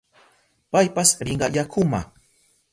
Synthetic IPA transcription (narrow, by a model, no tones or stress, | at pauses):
pajpasɾɪɴɢɑ̰jakʰʊma̰